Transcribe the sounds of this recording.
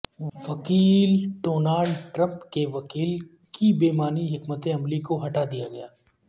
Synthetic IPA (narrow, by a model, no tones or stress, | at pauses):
ʋɐkiːlɖoːnaːɖʈɾɐ̃mpkeʋɐkiːl | kibeːmaːniɦɪkmət̪ẽɐmlikoɦɐʈad̪ijaɡɐjaː